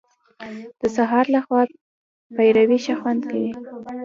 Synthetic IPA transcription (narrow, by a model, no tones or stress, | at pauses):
d̪̥əsaɦɑɾlaxwɑ | pajɾawiʃaxwand̪kawi